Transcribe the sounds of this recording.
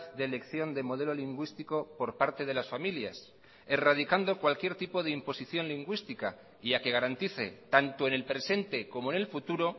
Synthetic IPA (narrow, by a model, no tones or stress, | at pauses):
ðd̪ele̞kθjo̞nd̪emo̞ð̞e̞lo̞liŋɡwist̪iko̞po̞ɾpaɾt̪e̞ð̞e̞lasfamilja̰s | e̞rað̞ikand̪o̞kwalkje̞ɾt̪ipo̞ð̞eimpo̞siθjo̞nliŋɡwist̪ika̰ | iake̞ɣaɾant̪iθe̞̰t̪ant̪oene̞lpɾe̞se̞nt̪e̞ko̞mo̞ene̞lfut̪uɾo̞